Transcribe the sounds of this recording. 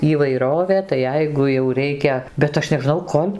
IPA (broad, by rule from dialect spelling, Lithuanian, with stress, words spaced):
iːʋɐɪˈroːʋʲeː tɐɪ ˈjɛɪɡʊ jɛʊ ˈrʲɛɪkʲɛ bʲɛt ˈɐʃ nʲɛʒˈnɐʊ ˈkoːlʲ